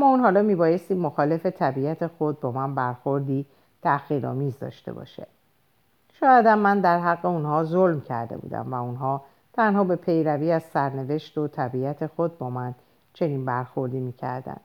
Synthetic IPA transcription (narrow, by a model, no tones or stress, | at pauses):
æmːɒːunɦɒːlɒːmiːbɒːje̞st̪iːmːoxɒːle̞fe̞t̪ʰæbiæt̪ʰe̞xo̞d̪̚bɒːmænbæɾxo̞ɾd̪iː | t̪ʰæxiːɾɒ̰ːmiːzd̪ɒ̰ːʃt̪e̞̰bɒ̰ʃḛ | ʃɒːjæd̪æmːænd̪æɾɦæɣːe̞unhɒːzolmcʰæ̰ɾd̪ebṵːd̪æ̰mvæunɦɒː | t̪ʰænhɒːbe̞pʰe̞jɾæviːæzsæɾne̞ve̞ʃt̪o̞t̪ʰæbiæt̪ʰe̞xod̪̚bɒːmæn | t͡ʃʰe̞niːnbæɾxo̞ɾd̪iːmiːcʰæ̰ɾd̪æ̰nd̪̥